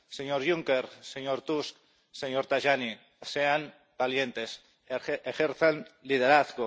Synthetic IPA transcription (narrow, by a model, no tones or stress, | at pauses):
seɲoɾʝuŋkeɾseɲoɾt̪usk | seɲoɾt̪aʒani | sean | balje̞nt̪e̞s | exeɾθenlið̞eɾaθɣo